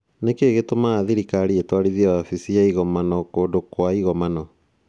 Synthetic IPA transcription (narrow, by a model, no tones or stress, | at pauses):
nekeɣetomaːðiɾikaɾietwaɾiðiaafisiaiɣɔmanɔkoːdokwaiɣɔmanɔ